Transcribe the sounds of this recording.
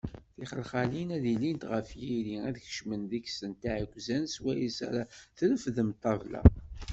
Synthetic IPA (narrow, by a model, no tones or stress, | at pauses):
θiχəlχalinæðilint̪ʁəfjiɾiæðəçə̥ʃmənðiçsənt̪aʕəɡʷzænswæjisæ̰ɾæθələfðəmt̪ːɑvlæ̰